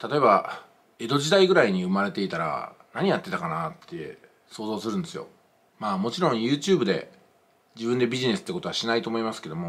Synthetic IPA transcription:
t̪at̪o̞e̞ba | e̞d̪o̞d͡ʑid̪aiɡɯ̟ɾaiɲ̟iɯ̟maɾe̞t̪e̞it̪aɾa̰ | naɲ̟ijat̪ːe̞t̪akanat̪ʰːe̞̰ | so̞ːzo̞ːsɨɾɯ̃nd̪e̞sɨjo̞̰ | maːmo̞t͡ɕiɾõ̞ɰ̃jɯ̟ːt͡ɕɨːbɯ̟d̪e̞̰ | d͡ʑibɯ̟̃nd̪e̞bʲiʑine̞sɨ̥t̪ːekot̪o̞aɕinait̪o̞ːmo̞imasɨ̥ke̞d̪o̞mo̞

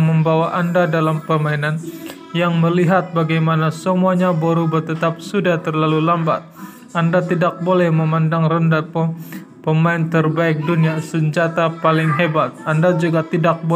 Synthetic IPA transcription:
məmbawaʔandadalampərmainan | jaŋməliɦat̪̚baɡajmanasəmuaɲaboɾubərt̪ət̪ap̚sudaht̪ərlalulamba̰t̪̚ | ʔandat̪idak̚bolɛhməmandaŋrəndap | pəmaɪnt̪ərbaɪk̚duniasəɲd͡ʒat̪apalɪŋɦebat̪̚andad͡ʒuɡat̪idak̚bo

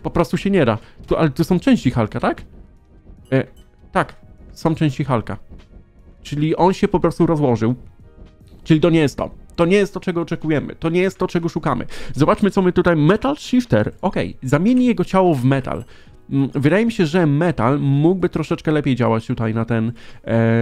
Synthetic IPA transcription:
pɔpɾɔst̪uɕɛɲɛd̪a̰t̪uʔa̰lɛt̪usɔ̃w̃t͡ʂɛ̃w̃ɕt͡ɕixalkat̪ak | t̪aksɔ̃w̃t͡ʂɛ̃ɕt͡ɕixalka̰ | t͡ʂɘlʲiʔɔnɕɛpɔpɾɔst̪uɾɔzwɔʐɘw | t͡ʂɘlʲit̪ɔɲɛjɛst̪ːɔ̰t̪ɔɲɛjɛst̪ɔt͡ʂɛɡɔːt͡ʂɛkujɛmɘ̰t̪ɔɲɛjɛst̪ːɔt͡ʂɛɡɔʂukamɘ̰zɔbat͡ʂmɘt̪sɔmɘt̪ut̪ajmɛt̪alʂift̪ɛɾɔkɛ̰jzamʲjeɲijɛɡɔt͡ɕawɔvmɛt̪a̰l | vɘd̪ajɛmʲiɕɛʐɛmɛt̪a̰lmuɡ̚bɘt̪ɾɔʂɛt͡ʂkɛlɛpʲjejd͡ʑa̰wat͡ɕt̪ut̪ajnat̪ɛn

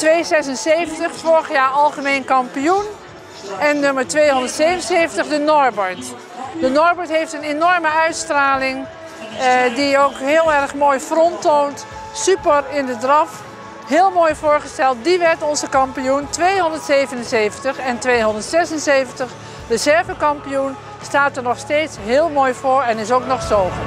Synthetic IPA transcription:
tʋejzɛsənsejvəntəχfʊːɹəχjaːɹɑlˠχəmeːnkɑmpijun | ɛnːøməɹtʋejɦɔndəɹtseːvənsevəntəχdənɔɹbɔɹt | dənɔɹbɔɹtɦejftənenɔɹməœɥtstraːlɪŋ | diowkɦɪːlˠɛrχmoːjfrɔntownt | sypəɹɪndədrɑf | ɦɪːlˠmoːjvʊːɹχəstɛlˠt̚diʋɛɹtɔnzəkɑmpijuntʋejɦɔndəɹtsejvənənzejvəntəχɛntʋejɦɔndəɹtsɛsənsejvəntəχ | dəzɛɹvəkɑmpijun | staːtəɹnɔχsteːtsɦɪːlˠmoːjvʊːɹɛnɪsowknɔχsoːvəɹ

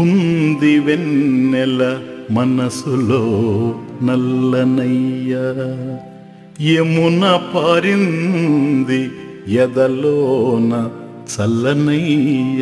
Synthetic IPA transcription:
und̪iʋenːɛlɐmɐnɐsuloːnɐlːɐnɐjɐ | jemunɐpaːɾinund̪i | jɛd̪ɐloːnɐ | t͡ʃɐlːɐnɐjɐ

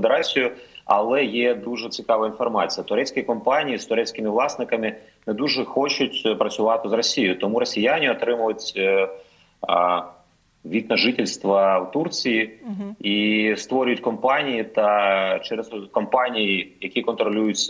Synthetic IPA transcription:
d̪eɾɑsʲijʊɐ̰lˠɛjɛd̪uʒɛt͡sʲɪkɑʋɐinfɔrmɑt͡sʲijɐt̪ʊɾɛt͡sʲkʲijkɔmpɑnʲijist̪ʊɾɛt͡sʲkɪmɪʋlˠɑsnɪkɐmɪ | nɛd̪uʒɛxɔt͡ʃʊtʲpɾɐt͡sʲʊʋɑt̪ɪzrɔsʲijʊt̪ɔmuɾɔsʲijanʲɪɔt̪ɾɪmʊʋɐtʲ | ʋʲid̪nɐʒɪtʲɪlʲst̪ʋɐwt̪urt͡sʲijiist̪ʋɔɾʲʊjʊtʲkɔmpɑnʲijit̪ɐt͡ʃɛɾɛzkɔmpɑnʲijijɐkʲikɔnt̪ɾɔlʲujʊt͡sʲːɐ

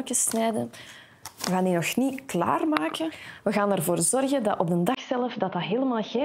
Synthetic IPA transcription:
kəsnɛjdən | ʋəɣaːndinɔxnikla̰ːrmaːkəʋəɣaːnɛrvoːrzɔrɣədɑ̰tɔ̰b̚dəndɑxsɛləfdɑtɑɦeːləmaːlˠɣeː

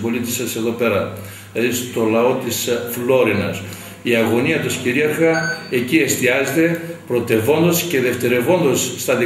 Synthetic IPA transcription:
bo̞lit̪isɐse̞ðo̞pe̞ɾɐ | ist̪o̞lɐo̞t̪isflo̞ɾinɐ̰s | iɐɣo̞niɐt̪osciɾiɐɾɣɐecie̞st̪iɐzet̪e̞pɾo̞t̪e̞vo̞nd̪ɐsce̞ðe̞ft̪e̞ɾe̞vo̞nd̪osːt̪ɐði

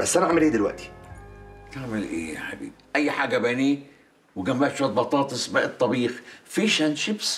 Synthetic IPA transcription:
basʔænaʕamːɪlʔeːd̪ɪlwaʔt̪ʰi̥ | kaːʕmɪlʔḛːħa̰bḭːbʔajːħaːɡabæni | wɪɡamːaːt̪ʃat̪̚bɑt̪ˤɑːt̪ˤɨsbaʔɨt̪ˤːɑbiːxfiʃanʃɪbs

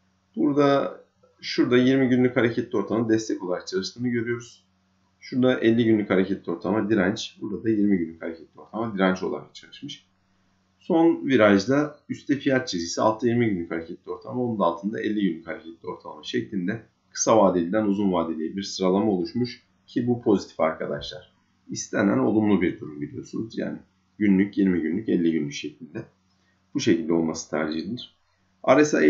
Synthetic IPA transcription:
b̥uɾd̪a | ʃuɾd̪ajiɾmiɟynlʲychaɾecʰɛt̪lʲio̞ɾt̪ʰamad̪ɛst̪ʰɛco̞lˠaɾak̚t͡ʃʰalˠɯʃt̪ɯːnɯɟø̞ɾyjo̞ɾuz̥ | ʃuɾd̪aʔɛlʲːiɟynlʲychaɾecʰɛt̪lʲio̞ɾt̪ʰalˠamad̪iɾænt͡ʃbuɾd̪ad̪ajiɾmiɟynlʲychaɾecʰɛt̪ʰlʲio̞ɾt̪ʰamad̪iɾænt͡ʃo̞lˠa̰ɾak̚t͡ʃʰalˠɯʃmɯʃ | so̞nviɾaʒd̪ayst̪ʰɛfijat̪̚t͡ʃʰeziːsia̰lˠt̪ʰɯjiɾmiɟynlʲychaɾecʰɛt̪ʰlʲio̞ɾt̪ʰamaonund̪alˠt̪ʰɯnd̪a̰ʔɛlʲːiɟynlʲychaɾecʰɛt̪ʰlʲio̞ɾt̪ʰalˠa̰maʃɛclʲind̪ɛ | kʰɯ̥savaːd̪ilʲid̪ænuzunvaːd̪elʲijibiɾsɯɾalˠamao̞lˠuʃmuʃ | cʰibupʰo̞zit̪ʰi̥faɾkʰad̪a̰ʃlˠa̰ɾ̥ | ist̪ʰɛnæ̰no̞̰lˠumlˠubiɾd̪uɾumbilʲijo̞̰sṵnuzja̰ːnɪ | ɟynlʲycjiɾmiɟynlʲycɛlʲːiɟynlʲycʃɛclʲind̪ɛ | b̥uʃecilʲd̪ɛo̞lˠmasɯ̥t̪ʰa̰ɾd͡ʒilʲilʲiɾ̥ | a̰ɾesa̰

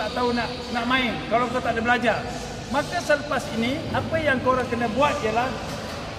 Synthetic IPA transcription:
aʔt̪aunaʔ | naʔmãɪnkalakat̪aʔdəbəlad͡ʒar | makasələpasiniapəjaŋkoɾaŋkənabuat̪̚ialah

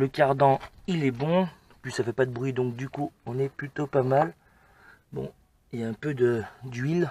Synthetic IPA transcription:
ləkaʁd̪ɑ̃ilɛbɔ̃ | pɥisafɛpad̪əbʁɥid̪ɔ̃k̚d̪ykuɔ̃nɛplyt̪opamal | bɔ̰̃ | iljaɛ̃pød̪əd̪ɥil

